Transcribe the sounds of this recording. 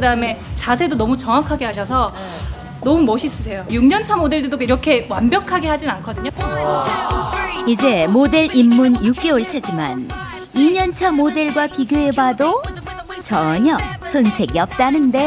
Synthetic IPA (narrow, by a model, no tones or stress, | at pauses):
kɯdaɯme̞t͡ɕasʰe̞donʌmut͡ɕʌŋakʰaɡeɦaɕʰʌsʰʌ | nʌmumʌɕʰis͈ɯsʰe̞jojuŋɲʌnt͡ɕʰamode̞ɭdedoiɾʌkʰe̞wanbjʌkʰaɡe̞ɦad͡ʑinankʰʌdɯɲo | id͡ʑe̞mode̞ɭimːunjuk̚k͈e̞oɭt͡ɕʰed͡ʑima̰n | iɲʌnt͡ɕʰamode̞ɭɡwapiɡjoe̞bado | t͡ɕʌɲʌsʰʌnsʰe̞ɡiʌp̚t͈anɯnde̞